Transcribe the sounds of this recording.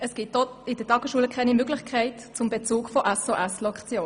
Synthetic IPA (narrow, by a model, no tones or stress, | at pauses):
əsɡ̥ɪtɔɪd̥əd̥ɑɡəʃuələkʰɛɪnimøɡlɪçkʰaɪtt͡sʊmbet͡suːkfɔʔɛsoʔɛslɔkt͡sjoː